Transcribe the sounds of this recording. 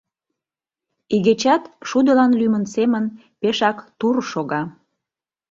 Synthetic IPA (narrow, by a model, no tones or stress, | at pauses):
iɣet͡ɕɑt̪ʃud̪ə̆lɑnlymənsemən | peʃɑkt̪urʃoɣɑ